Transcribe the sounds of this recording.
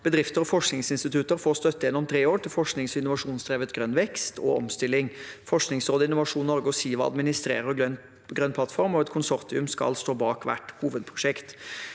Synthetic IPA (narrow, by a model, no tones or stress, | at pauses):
b̥əd̪ɾɪft̪əɾɔfɔʂknɪŋsɪnst̪ɪt̪ʰʉt̪əɾfoːɾst̪œt̪ːəjɛnːʊmt̪ʰɾeːoːʈɪlfɔʂknɪŋsɔɪnːʊʋɑʂuːnsd̪ɾeːʋət̪ɡɾœnʋɛkst̪ʰɔ̰ɔ̰mst̪ɪlːɪŋfɔʂknɪŋsɾoːd̪əɪnʊʋɑʂuːnːɔɾɡəɔsiːʋɑɑ̰d̪mɪnɪst̪ɾḛːɾəœ | ɡɾœnːpʰlɑt̪ːfɔɾmɔɛt̪kʰʊnsɔɾt̪ɪʉmskɑ̰lst̪oːbɑːkʋæ̰ʈːhuːʋəd̪̚pʰɾʊʂɛkt̪